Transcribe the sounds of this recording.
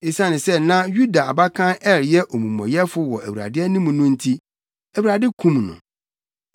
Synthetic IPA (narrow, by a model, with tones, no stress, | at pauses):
e˨sã˦nɪ̃˨sɛ˦nã˦ju˦da˨a˨ba˦kʰã˦nɛ˦ɾjɛ˦ʔo˨mũ˨mɔ̰̃˨jɛ˦fʊ˦wɔ˨æ˨ɥu˨ɾa̰˨dɪ˦ɛ˦nĩ˦mũ˨nʊ̃˦n̩˦tʰi˦ | æ˨wu˨a˨dɪ˦kʰũ˦mnʊ̰̃˨